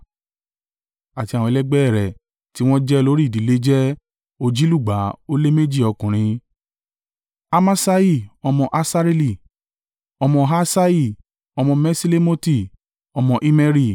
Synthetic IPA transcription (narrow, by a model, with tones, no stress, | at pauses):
a˨ti˧a˨wɔ̃˧lɛ˦ɡ͡bɛ˦ɛ˦˨ɾɛ˨ | ti˨˦w̃ɔ̃˦d͡ʒɛ˦lo˦ɾi˦˨di˨˦le˦d͡ʒɛ˦ | o˧d͡ʒi˦lu˦˨ɡ͡ba˨˦o˦le˦me˦d͡ʒi˦˨ɔ˧kũ˨ɾ̃ĩ˧ | a˧mã˦sa˦i˦˨ɔ˧mɔ̃˧ʔa˧sa˦ɾe˦li˦˨ | ɔ˧mɔ̃˧ɦa˦sa˦i˦˨ | ɔ˧mɔ̃˧mɛ̃˦si˦le˦mo˦ti˦˨ | ɔ˧mɔ̃˧ʔi˦mɛ˦ɾi˦˨